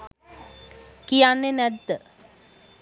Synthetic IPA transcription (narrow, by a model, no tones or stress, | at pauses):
kijanːenɛd̪ːə